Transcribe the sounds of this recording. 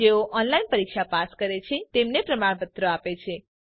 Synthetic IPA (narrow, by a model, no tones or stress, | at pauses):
eoʔɔnlainpəɾikʃapaskəɾet͡ʃʰet̪emnepɾəmaɽ̃pət̪ɾoapet͡ʃʰe